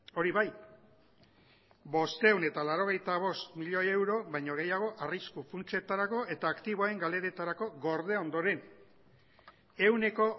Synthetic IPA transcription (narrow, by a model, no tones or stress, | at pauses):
o̞ɾiβaj | bo̞st̪e̞une̞t̪alaɾo̞ɣ̞e̞jt̪aβ̞o̞st̪miʎo̞ewɾo̞βajɲo̞ɣ̞e̞jaɣ̞o̞ʔariskufunt͡se̞t̪aɾako̞ʔe̞t̪aːkt̪iβ̞oae̞ŋɡale̞ɾe̞t̪aɾako̞ɣo̞ɾðe̞o̞nd̪o̞ɾe̞n | e̞wne̞ko̞